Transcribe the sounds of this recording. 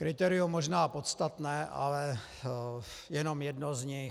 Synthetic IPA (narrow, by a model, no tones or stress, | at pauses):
kɾɪt̪ɛɾɪumːoʒnaːpot̪st̪at̪nɛːʔa̰lɛ | jɛnomjɛdnozɲɪ